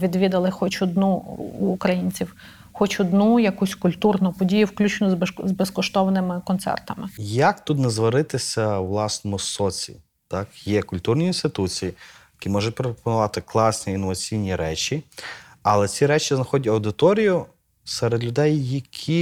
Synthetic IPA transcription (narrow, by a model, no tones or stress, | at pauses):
ʋʲid̪ʋʲid̪ɐlˠɪxɔt͡ʃɔd̪nuːkɾɐjinʲt͡sʲiw | xɔt͡ʃɔd̪nujɐkusʲkʊlʲt̪urnʊpɔdʲijʊwklʲut͡ʃnʊzbɛskɔʃt̪ɔʋɐnɪmɪkɔnt̪sɛ̰rt̪ɐmɪjɐkt̪ut̪nɛzʋɐɾɪt̪ɪsʲɐʋlˠɑsnɔmʊsɔt͡sʲḭ | t̪ɑkjɛkʊlʲt̪urnʲiinst̪ɪt̪ut͡sʲijijjɐkʲimɔʒʊt̚ʲpɾɔppɔnʊʋɑt̪ɪklˠɑsnʲiinːɔʋɐt͡sʲijnʲiɾɛt͡ʃʲi | ɐlˠɛt͡sʲiɾɛt͡ʃʲiznɐxɔdʲtʲɐwd̪ɪt̪ɔɾʲijʊ | sɛɾed̪lʲʊd̪ɛjːɐkʲʰi